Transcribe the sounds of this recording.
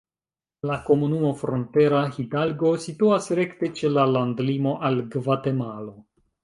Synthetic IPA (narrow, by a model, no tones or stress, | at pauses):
lako̞munumo̞fɾonte̞ɾahidalɡo̞situasɾe̞kte̞t͡ʃe̞lalandlimo̞ʔalɡvate̞malo̞